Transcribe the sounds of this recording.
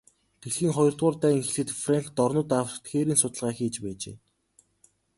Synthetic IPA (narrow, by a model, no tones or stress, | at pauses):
t̪ʰeɣxiːŋχɔjɞ̆rt̪ʁʊːrt̪æːiŋxeɮxɘ̆t̪fraŋkt̪ɔrnʊ̆t̪awt̪xeːɾiːnsʊt̪ə̆ɮʁaːxeːt͡ɕpæːt͡ɕḛː